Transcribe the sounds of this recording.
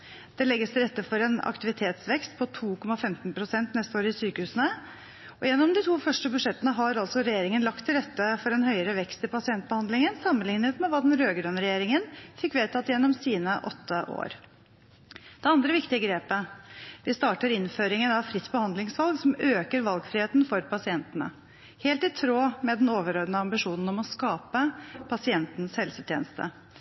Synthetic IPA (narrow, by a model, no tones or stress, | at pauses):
d̪̥ɛlɛɡːəst̪ɪlɾɛt̪ːəfɔɾɛːnɑ̰kt̪ɪʋɪt̪ʰeːt̪sʋɛkst̪pʰɔt̪ʰuːkʰɔmːɑfɛmt̪n̩pʰɾʊsɛnt̪nɛst̪oːɾəɪsyːkəhʉːsənə | ɔjɛnːɔmd̪ɪt̪ʰuːfœʂʈəbʉʂɛt̪ːənəɦɑɾɑlsɔɾɛjeːɾɪŋənlɑkt̪ʰːɪlɾɛt̪ːəfɔɾɛnhœʏəɾəʋɛkst̪ɪlpɑsɪɛnt̪̚bəhɑnd̪lɪŋənsɑmːənlɪnɪət̪mɛʋɑːd̪ɛnɾøːɡɾønɾɛjeːɾɪŋənfɪkːʋeːt̪ʰɑt̪jɛnːɔmsiːnəʔɔt̪ʰːəʔo̰ːɾ | d̪̥ɛɑnd̪ɾəʋɪkt̪ɪəɡɾeːpəʋɪst̪ɑːʈəɾɪnføːɾɪŋənɑʋfɾɪt̪ːbəhɑnd̪lɪŋsʋɑlɡsɔmøːkəɾʋɑlɡfɾɪːeːt̪nfɔɾpʰɑsɪɛnt̪ənə̰ | heːlt̪ɪt̪ʰɾoːmɛd̪ɛnoːʋəɾoːɾd̪nəɑmbɪʂuːnn̩ɔmɔskɑːpəpʰɑsɪɛnt̪n̩shɛlsət̪ʰjeːnəst̪ʰə̰